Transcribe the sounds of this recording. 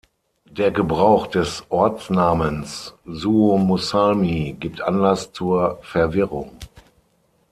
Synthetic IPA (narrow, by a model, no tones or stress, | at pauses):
d̥eːɐɡəbʁaʊxd̥ɛsʔɔɐt͡snaːmənszuːomusamiɡiːp̚tʔanlast͡suːɐfɛɐvɪʁʊŋ